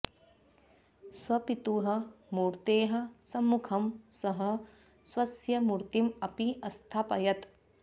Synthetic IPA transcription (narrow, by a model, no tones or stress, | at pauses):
swɐpit̪uɦɐ̆muːɾt̪eːɦɐ̆sɐmːukʰɐmsɐɦɐ̆ | swɐsjɐmuɾt̪imɐpiʔɐst̪ʰaːpɐ̰jɐt̪